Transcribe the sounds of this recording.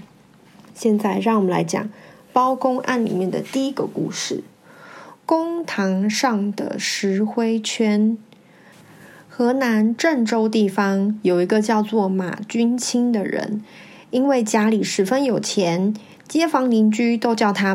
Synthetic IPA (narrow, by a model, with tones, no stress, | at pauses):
ɕjɛ˥˧nt͡sa˥˧ɪɻɑ˥˩ŋwɔ˨mə˦nla̰˧˥ɪt͡ɕjɑ̰˨˩˦ŋpɑ˥ʊkʊ˥ŋʔa̰˥˩nlḭ˨˩mjɛ˥˩nd̪ə̰˩t̪i˥˩i˦˥ɡə̰˧kṵ˥˧ʂɻ̩˥˩ | kʊ˥ŋt̪ʰɑ˧˥ŋʂɑ˥˩ŋd̪ə̰˩ʂɻ̩˧˥xwe˥ɪt͡ɕʰɥɛ˥n | xɤ˧˥na˧˥nʈ͡ʂə˥˩nʈ͡ʂo˥ʊt̪i˥˩fɑ˥ŋjo˨˩ʊi˧˥ɡə˧t͡ɕjɑ˥˧ʊt͡swɔ˥˩ma̰˨˩t͡ɕy˥nt͡ɕʰi˥ŋd̪ə˨ɻə̰˧˥n | i˥nwe˥˩ɪt͡ɕja˥li˨˩ʂɻ̩˨˩fə˥njo˨˩ʊt͡ɕʰjɛ˧˥n | t͡ɕjɛ˥fɑ˧˥ŋli˧˥ŋt͡ɕy˥t̪o˥ʊt͡ɕjɑ˥˩ʊt̪ʰa˥